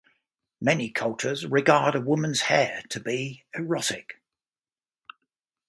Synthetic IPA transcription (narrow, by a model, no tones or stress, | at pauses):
mɛnikʰʌlˠt͡ʃʰəzɹɪɡɑːɾəwʊmə̃nz̥hɛːtʰəbiəɹɒtɪk